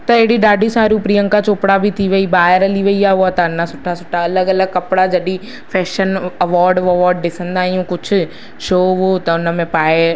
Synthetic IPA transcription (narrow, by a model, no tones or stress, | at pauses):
t̪ɐeːɽiɖaːɖisaːɾupɾiə̃ŋkat͡ʃoːpɽabʱit̪ʰiʋɐiːbaːɦɪɾɐliʋɐiaoat̪ɐnːasʊʈʰːasʊʈʰːaɐləɡɐləɡ̚kɐpɽad͡ʒɐɗiː | pʰɛːʃənəʋɔːɾɖʋɐʋɔːɾɖːɪsə̃nd̪aːɦijũːkʊt͡ʃʰ | ʃoːʋot̪ɐʊnə̃mẽpaːe